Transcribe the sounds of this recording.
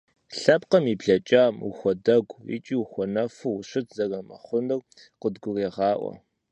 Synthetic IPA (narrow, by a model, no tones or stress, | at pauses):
ɬɐpqɐmiːbɮɐt͡ʃʼaːmṵxʷɔdɐɡʷḭt͡ʃʼiːuxʷɔnɐfuwʊɕɪtʰzɐrɐmɐχʷʊnɨr | qədɡʷʊreːʁɑːʔʷɔ̰